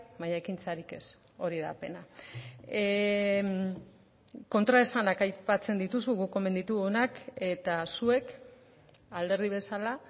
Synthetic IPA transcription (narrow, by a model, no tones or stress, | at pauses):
maɲaekint͡saɾike̞s | o̞ɾiðape̞na | ko̞nt̪ɾaesanakajpat͡se̞nd̪it̪uzɣuɣukːo̞me̞nd̪it̪uɣonake̞t̪asue̞k | ald̪e̞ɾðiβ̞e̞sala